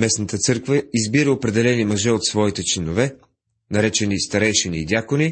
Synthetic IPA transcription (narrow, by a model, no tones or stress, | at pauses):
mɛsnət̪ət̪sɤɾkvəizbiɾəopɾɛd̪ɛlɛnimɐʒɛot̪svɔit̪ɛt͡ʃlɛnovɛ | nɐɾɛt͡ʃɛnist̪ɐɾɛjʃɛnid̪ʲakoni